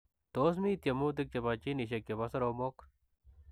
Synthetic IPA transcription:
t̪oːs̬mit̪jɐmuːt̪̬ik̚t͡ʃebaːt͡ʃiniɕ̬ɐkːebɐsɐɾoːmoːk

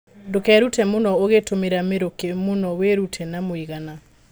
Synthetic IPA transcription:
ndokɛɾutɛmonɔoɣetomeɾameɾokemonɔweɾutʰɛnamoiɣana

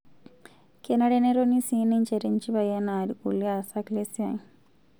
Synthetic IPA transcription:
kenɐɽeneɾonisiːniɲt͡ʃeɾiɲt͡ʃibɐjanaːɾikulːiasaklesia

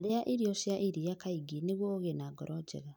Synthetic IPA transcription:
ɾeaʔiɾiɔʃiaʔiɾijakaiɡineɣwɔoɣenaɡɔɾʔɔd͡ʒɛ̰ɣa

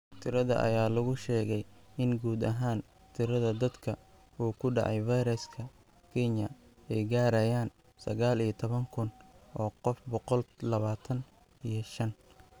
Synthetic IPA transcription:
t̪ʰɪɾɐðɐ̰ʔɐ̰jaːlɐɣʊʃɛːɣɛjɪnɡuːd̪ɐɦaːn | t̪ʰɪɾɐðɐd̪ɐd̪kʰɐ | uːkʰʊɖɑ̰ʕɑ̰jvɐjɾɛskʰɐ | kʰɛnɐ | ɛjɡaːɾɐjaːn | sɐ̰ɣaːlijɐt̪ʰɔβɐŋkʰʊnʔɔːqɔfbɔqɔllɐβaːt̪ʰɐn | ijɞʃɐn

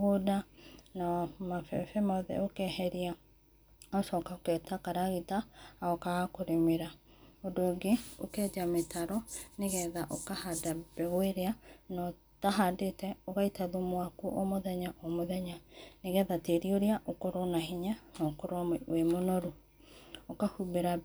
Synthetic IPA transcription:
ɣodanamafɛ̰fɛmɔðɛ̰okɛhɛɾia | ɔʃɔkaokɛtakaɾaɣitaːɔkaɣakoɾemeɾa | odoɡeo̰kɛd͡ʒametʰaɾɔneɣɛðaʔokahadab̥ɛɣweɾeanɔ | taɦadetɛoɣaitaðomowakuʔomoðɛɲaʔomoðɛɲaneɣɛðateɾioɾeaʔokoɾonaɦiɲanɔkoɾowemonoɾu | okahubeɾa

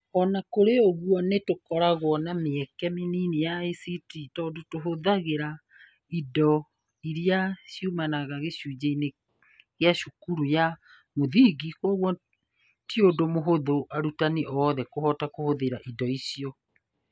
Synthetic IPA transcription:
ɔnakoɾeoɣwɔnetokɔɾaɣwɔnameɛkɛminiːnejaesititɔːdotoɦoðaɣeɾa | idɔ | iɾiaʃjumanaɣaɣeʃuːd͡ʑaine | ɣeaʃukuɾuja | moðiɡikwɔɣwɔ | tiodomoɦoðoʔaɾutaneʔɔðɛkohɔtakohoðeɾaʔidɔisiɔ

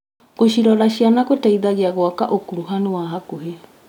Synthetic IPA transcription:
ɣoɕiɾɔɾaɕianaɣotaiðaɣeaɣwakaʔokuɾuɦanuwaɦakoɦe

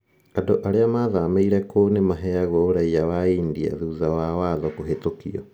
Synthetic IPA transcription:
adoʔaɾeamaðameiɾɛkonemaɦɛaɣɔoɾaiawaiːndia̰ðuðawawaðɔkoɦetokḭɔ̰

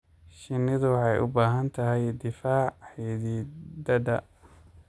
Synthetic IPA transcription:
ʃɪnːɪðʊwɑħɑjʔʊ̰baːɦɐnt̪ʰɐɦɛjd̪ɪfaːʕħiːðiːd̪ɐd̪ɐ

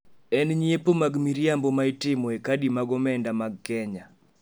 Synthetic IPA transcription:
ɛnɲiepomaɡmiɾjambɔmaitɪmɔekadimaɡɔmɛndamaɡ̚kɛɲa

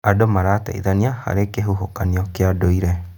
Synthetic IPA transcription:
adomaɾata̰ḭðaniaha̰ɾekeɦuɦokaniɔkeadoiɾɛ

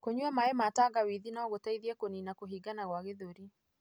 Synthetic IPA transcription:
koɲuamaɛmataɣawiðinaɔɣotaiðiɛkoninakoɦiɡanaɣwaɣeðoɾi

